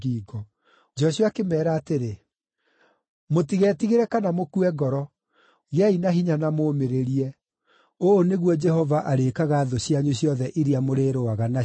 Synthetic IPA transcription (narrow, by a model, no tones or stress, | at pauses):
iːɡɔ | d͡ʒɔɕuakemɛːɾaːteɾe | motiɣɛːtiɣeɾɛkanamokuɛɡɔɾɔ | ɣeainaɦiɲanamoːmeɾeɾiɛ | oːneɣwɔd͡ʒɛhɔvaʔaɾeːkaɣaːðoɕjaɲuɕjɔðɛʔiɾiamoɾeːɾoaɣana